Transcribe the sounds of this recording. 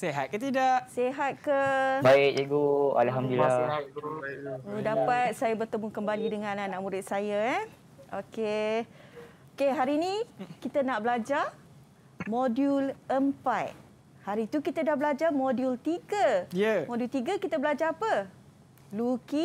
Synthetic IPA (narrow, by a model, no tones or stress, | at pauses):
seɦat̪̚kət̪idaʔseɦat̪̚kəbaɪkeɡua̰lɦamd̪il | dapat̪̚sajabərt̪əmukəmbalidəŋãnanaʔmũɾɪt̪̚sajaɛ | oke | okeɦaɾiːnikit̪ənaʔbəlad͡ʒar | moduləmpat | haɾit̪ukit̪ədahbəlad͡ʒamodjult̪iɡəjəmodult̪iɡəkit̪əbəlad͡ʒaɾapə | luki